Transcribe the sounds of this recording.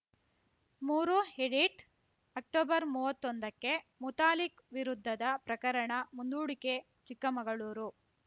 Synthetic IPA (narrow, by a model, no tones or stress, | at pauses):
muːɾuɦeɖiʈ | ɐk̚ʈɔːbɐɾmuːʋɐt̪ːond̪ɐkːe̞mut̪aːlikʋiɾud̪ʱːɐd̪ɐpɾɐkɐɾɐɳɐmund̪uːɽike | t͡ʃikːɐmɐɡɐɭuːɾu